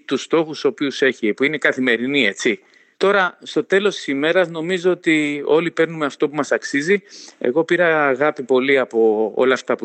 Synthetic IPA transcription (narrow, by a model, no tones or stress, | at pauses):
t̪ust̪o̞xuso̞piuse̞çipuine̞kɐθime̞ɾinie̞t͡si | t̪o̞ɾɐst̪o̞t̪e̞lo̞st̪i̥sime̞ɾɐzno̞mizo̞ot̪io̞lipe̞ɾnumeɐft̪o̞pumɐsɐksizie̞̰ɣo̞piɾɐːɣɐpipo̞liɐpo̞o̞̰lɐːft̪ɐpu